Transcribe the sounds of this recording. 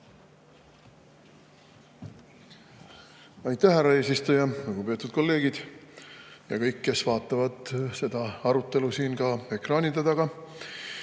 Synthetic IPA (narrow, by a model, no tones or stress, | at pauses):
ɑjt̪ːˑæhæɾːɑe̞ːsist̪ujɑluɡ̥upe̞t̪ˑud̪̥̚ko̞lːe̞ːɡ̥id̪̥ | jɑkɤjkːe̞svɑːt̪ːˑɑvɑd̪̥se̞d̪̥ɑɑɾut̪ːˑe̞lusiːnɡɑe̞krɑːnid̪et̪ɑɡ̥ɑ